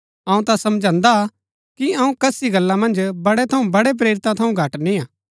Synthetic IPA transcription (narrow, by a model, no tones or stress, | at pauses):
ɐ̃ũt̪asɐmd͡ʒʱãːnd̪a | kiɐũkɐsiɡɐlːãmɐ̃nd͡ʒbɐɽɛt̪ʰɐũbɐɽep̬ɾeːɾɪt̪ãt̪ʰɐũɡʱɐʈnĩãː